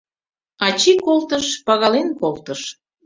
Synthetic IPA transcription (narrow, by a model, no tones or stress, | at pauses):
ɑt͡ɕikolt̪əʃpɑɣɑlenkolˠt̪əʃ